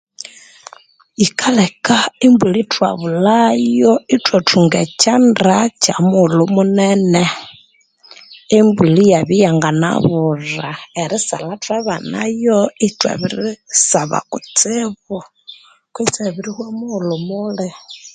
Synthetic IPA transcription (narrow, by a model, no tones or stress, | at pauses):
ikʰalɛkaimbulitʰwa̰βulajɔitʼwɔtʰuŋɡɛ̰t͡ʃandat͡ʃamulumunɛnɛ | imbulijaβijaŋɡana̰βuraɛɾisa̰latʰʼwaβana̰jɔitʼwa̰βiɾisaβa̰kʼut͡sʼɛβɔ | kwit͡sɛβiɾihwɛmulumuːɺɛ